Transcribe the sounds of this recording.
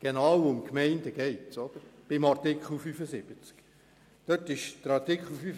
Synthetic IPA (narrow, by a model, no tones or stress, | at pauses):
ɡ̥enɑːwʊmkmɛɪnd̪əɡ̥ɛɪtsɔd̪əɾb̥ɪmɑrtɪkχl̩fyfəsɪb̥ət͡sk | d̪̥øtɪʃd̪̥əɾɑɾtɪkχl̩fy